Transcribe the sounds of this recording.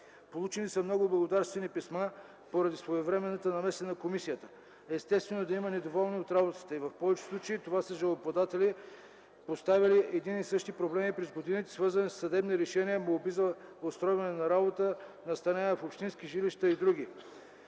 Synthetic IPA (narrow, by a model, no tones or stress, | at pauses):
polˠut͡ʃɛnisɐmnɔɡʊblˠɐɡod̪aɾst̪vɛnipɛsma | poɾɐd̪isvoɛvɾɛmɛnət̪ənɐmɛsɛnɐkomisijət̪ə | ɛst̪ɛst̪vɛnod̪ɐimənɛd̪ovɔlˠniot̪ɾabot̪ə̥t̪əivɐfpɔvɛt͡ʃɛ̥slˠut͡ʃɐit̪ovasəʒɐlˠopɐd̪at̪ɛli | post̪avʲiliʔɛd̪inisɤʃt̪ipɾoblɛmipɾɛzɡod̪init̪ɛ̥svɤɾzɐnissːɐd̪ɛbniɾɛʃɛniəmoobizɐost̪ɾɔjvɐnɛnɐɾabot̪ənɐst̪ɐnɛfopʃt̪inskiʒiliʃt̪əid̪ɾuɡ̟ʲi